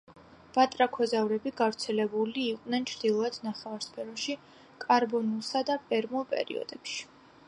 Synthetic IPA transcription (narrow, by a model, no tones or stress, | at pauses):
v̥at̪ʼɾakʰɔzavɾɛbiɡavɾt̪sʰɛlɛbuliːqʼd̪nɛnt͡ʃʰɾd̪̥ilˠɔɛd̪̥naχɛvaɾspʰɛɾɔʃi | kʼaɾbɔnulˠsad̪apʰɛɾmulˠpʼɛ̰ɾḭɔ̰d̪ɛpʃi̥